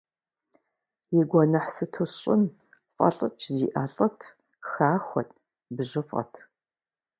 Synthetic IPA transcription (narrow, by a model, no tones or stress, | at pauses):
jɪɡʷɔnɐħsɨtʰɨɕʼɪn | fʼɐ̰ɬʼət͡ʃʰziːʔaːɬʼɐtʰ | xaːxʷɔ̰tʰʼ | bɨʒɪfʼɐ̰tʰ